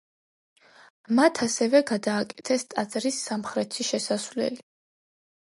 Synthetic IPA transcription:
mat̪ʰasɛvɛɡad̪aːkʼɛ̥t̪ʰɛst̪ʼat̪sʼɾisːamχɾɛt̪ʰiʃɛsasvlɛ̰li

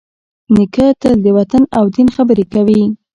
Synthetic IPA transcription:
nikat̪ad̪əwat̪anawd̪inxabəɾekawi

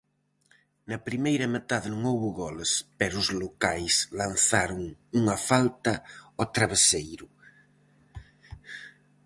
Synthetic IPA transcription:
nɐpɾimejɾɐmet̪aðɪnõŋowβʊɣɔlespɛɾʊzlokajslan̟θaɾʊŋuŋɐfalt̪ɐot̪ɾaβ̞esejɾʊ

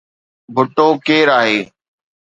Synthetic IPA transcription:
bʱʊʈoːkeːɾaːɦeː

